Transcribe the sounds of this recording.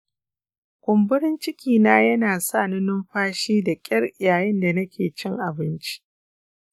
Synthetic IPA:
kʷʊ˨mbʊ˦ɾɪ˦nt͡ʃɪ˦kʲiː˨naː˦jɐ˦naː˨sa˦˨nɪ˦nʊ˦mɸaː˦ʃiː˦da˨kʲʼɐ˦rʔɪ˨jaː˨jɛ˦nda˨nɐ˦kʲʰeː˨t͡ʃɪ˦ŋʔa˨bɪ˦nt͡ʃi̥˦

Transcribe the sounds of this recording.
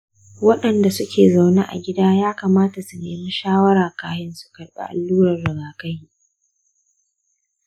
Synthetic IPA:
wɐ˦ɗɐ˨nda˨sʊ˦kʲeː˨za˨wneː˦ʔa̰˨ɡʲɪ˦daː˦jaː˦kaː˨maː˦ta˨sʊ˨neː˨mi˦ʃaː˦wɐ˦ɾaː˨kaː˦hɪ˦nsu̥˨kɐ˨rɓḛ˦ʔa̰˨lːuː˦ɾɐ˨rːɐ˨ɡaː˨kɐ˦jji˦ʔ

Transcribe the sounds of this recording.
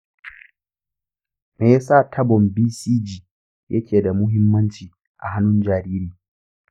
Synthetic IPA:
meː˨ja˦saː˦˨tʰɐ˦bɔ˨mbiː˦siː˦d͡ʒiː˨ | jʔɐ˦kʲʰeː˨da˨mʊ˦ɦɪ˦mːɐ˦nt͡ʃiː˨ | ʔa̰˨ɦa˦nʊ˦nd͡ʒaː˨ɾiː˦ɾiː˨

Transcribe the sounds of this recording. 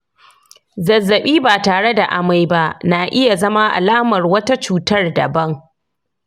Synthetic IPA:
zɐ˨zːɐ˨ɓiː˦baː˨taː˨ɽe˦da˨ʔa˨ma˦jba˦ʔnaː˨ʔɪ˦ja˨zɐ˦ma˦ʔa̰˨laː˦mɐ˨rwɐ˦ta˦t͡ʃuː˨tɐ˦rdɐ̰˨bɐ˦ŋ

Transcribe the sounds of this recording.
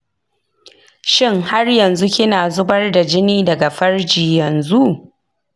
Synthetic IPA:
ʃɪ˦ŋha˦rjɐ˨nzu˦kʲɪ˦naː˨zʊ˦bɐ˦rda˨d͡ʒɪ˦niː˦dɐ˨ɡa˨ɸɐ˦rd͡ʒiː˨jɐ˨nzu˦ʔ

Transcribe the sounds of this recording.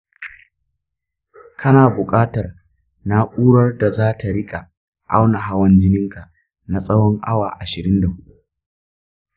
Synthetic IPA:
kʰɐ˦naː˨bʊ˨kʼaː˦tɐ˨r | na˦ʔʷʼuː˦ɽɐ˦rda˨zaː˦ta˨ɽɪ˦kʼa˨ | ʔa̰˦wna˨ɦa˦wɐ˦nd͡ʒɪ˦nɪ˦ŋka˨ | na˨sʼɐ˦wɔ˦ŋʔa̰˦waː˨ʔa˨ʃɪ˨ɾɪ˦nda˨hʊ˦ʔu˦

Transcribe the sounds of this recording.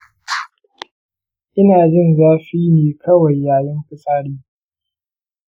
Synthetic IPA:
ʔɪ˦naː˨d͡ʒɪ˦˨nzaː˦ɸiː˦neː˨kʰɐ˦wa˨jːaː˨jɐ˦ŋɸʊ˦saː˦ɽiː˦

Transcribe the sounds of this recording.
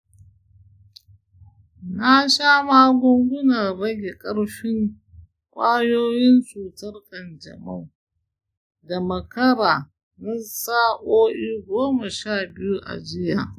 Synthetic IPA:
na˦ʃaː˦maː˦ɡʷʊ˦ŋɡʷʊ˦na˨ɾɐ˦ɡʲe˨kʼɐ˦ɽɸɪ˦ŋ | kʷʼaː˦joː˦jɪ˦nsuː˨tɐ˦rkɐ˨nd͡ʒɐ̰˨mɐ˦w | da˨mɐ˨kɐ˦ɾaː˨ | nɐ˦saː˦ʔoː˦ʔiː˦ɡʷoː˦mɐ˨ʃaː˦˨bɪ˦ju˦ʔa̰˨d͡ʒɪ˦jaː˨

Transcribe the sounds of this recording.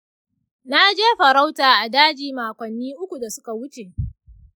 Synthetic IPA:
na˦d͡ʒeː˦ɸɐ˨ɾa˦wtaː˨ʔa˨daː˦d͡ʒiː˨maː˨kʷɐ˨nːiː˦ʔʊ˦kʷu˨da˨sʊ˦ka˨wʊ˦t͡ʃe˨ʔ

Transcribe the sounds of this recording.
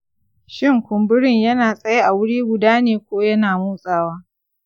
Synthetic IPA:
ʃɪ˦ŋkʷʊ˨mbʊ˦ɽɪ˦ɲjɐ˦naː˨sʼɐ˦je˦ʔa˨wʊ˦ɽiː˦ɡʷʊ˨daː˦neː˨kʷoː˦jɐ˦naː˨muː˦sʼaː˨waː˦

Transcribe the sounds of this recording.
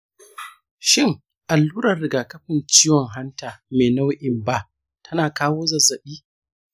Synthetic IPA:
ʃɪ˦˨ŋ | ʔa˨lːuː˦ɾɐ˨rːɪ˨ɡaː˨kɐ˦ɸɪ˨nt͡ʃiː˦wɔ˨ŋɦa˦ntaː˨meː˨na˦wʔɪ˨mba˦ʔ | tʰɐ˦naː˨kaː˦woː˦zɐ˨zːɐ˨ɓiː˦

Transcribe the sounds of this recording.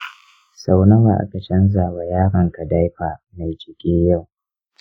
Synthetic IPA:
sa˦wnɐ˦wa˨ʔa̰˦ka˨t͡ʃɐ˦nzaː˨wa˨jaː˦ɽɐ˨ŋka˨da˦jɸaː˨ | ma˨jd͡ʒɪ˨kʲʼeː˦ja˦˨w

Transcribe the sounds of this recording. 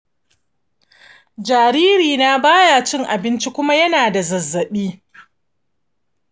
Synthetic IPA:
d͡ʒaː˨ɾiː˦ɾiː˨naː˦baː˦jaː˨t͡ʃɪ˦ŋʔa˨bɪ˦nt͡ʃi˦kʷʊ˦ma˦jɐ˦naː˨da˨zɐ˨zːɐ˨ɓiː˦

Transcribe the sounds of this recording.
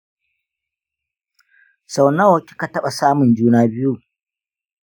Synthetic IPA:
sa˨wna˦woː˨kʲi̥˦ka˨tɐ˦ɓa˨saː˦mʊ˨nd͡ʒuː˦naː˦bɪ˦ju˦

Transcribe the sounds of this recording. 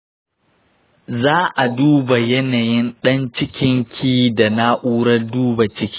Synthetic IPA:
zaː˦ʔa˨duː˦ba˨jɛ˦naː˨jɪ˦nɗɐ˦nt͡ʃɪ˦kʲɪ˦ŋkʲʰiː˦da˨na˦ʔuː˦ɽɐ˦rduː˦ba˨t͡ʃɪ˦kʲi̥ː˦

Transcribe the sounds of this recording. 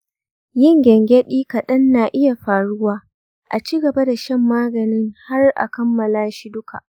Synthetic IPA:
jɪ˦ŋɡʲɛ˨ŋɡʲɛ˦ɗiː˦kɐ˨ɗɐ˦nːaː˨ʔɪ˦ja˨ɸaː˨ɽʊ˦waː˦ | ʔa˨t͡ʃiː˦ɡɐ˨ba˦da˨ʃɛ˦mːaː˦ɡɐ˨nɪ˦ŋha˦rʔa̰˨kɐ˦mːɐ˨laː˦ʃi˦dʊ˦ka̰˨ʔ

